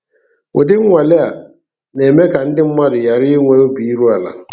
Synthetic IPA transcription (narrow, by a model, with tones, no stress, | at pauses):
ʊ̰˨dɪ˦ŋ˦wa˨lɪ˦a˨ | nɛː˨mɛ˦ka˨n̩˦dɪ˦m̩˦ma˦dʊ˨ja˨ɾɪ˦ŋɛ˦o˦biː˨˦ɾu˦a˨la̰˨